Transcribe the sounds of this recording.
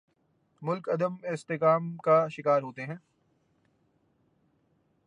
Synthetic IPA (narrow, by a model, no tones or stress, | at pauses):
mʊlkɐd̪əmɪst̪ekaːmkaʃɪkaːɾɦoːt̪eɦɛ̃ː